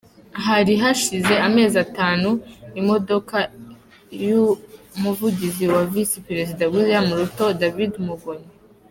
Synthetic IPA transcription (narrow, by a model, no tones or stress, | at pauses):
ɦaɾiɦaʃize̞ame̞ːzataːnuimo̞do̞ka | jumuvuɟiziwavisipeɾe̞zidaɡuzijamuɾuto̞davidmuɡoɲe